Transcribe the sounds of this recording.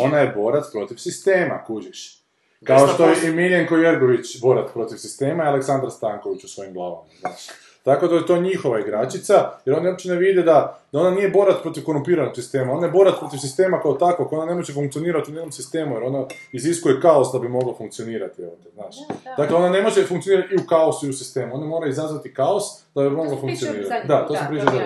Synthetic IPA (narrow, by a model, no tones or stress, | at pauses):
o̞najebo̞ɾat̪pɾo̞t̪iʋsist̪e̞ːma̰kud͡ʒiʃ | kaoʃt̪ojimiljaŋkojeɾɡo̞ʋit͡ʃbo̞ɾat̪pɾo̞t̪iʋsist̪e̞ːmaialeksand̪ɾast̪aːŋko̞ʋit͡ɕusʋo̞jimɡlˠaːʋamaznaːʃ | t̪ako̞d̪ajet̪o̞ɲixo̞ʋaiɡɾat͡ʃit̪sajeɾonio̞bit͡ʃt͡ɕeneʋid̪ed̪ad̪ao̞nanijebo̞ɾat̪pɾo̞t̪iʋko̞ɾumpiːɾanoksist̪e̞ːmao̞najebo̞ɾat̪pɾo̞t̪iʋfsist̪e̞ːmakaot̪akokoonane̞moʒefuŋkt̪io̞niːɾat̪iuneko̞msist̪e̞ːmujeɾo̞naiziskuje̞kaosd̪abimo̞ɡlafuŋk̪̚sioniːɾat̪io̰t̪eznaːʃd̪akleo̞nane̞mo̞ʒefuŋk̪ioniɾat̪iukao̞suiusist̪e̞ːmuo̞namo̞ɾaizazʋat̪ikaosd̪̥abimo̞ɡlafuŋkt̪sioniːɾat̪d̪at̪o̞sampɾit͡ʃad̪a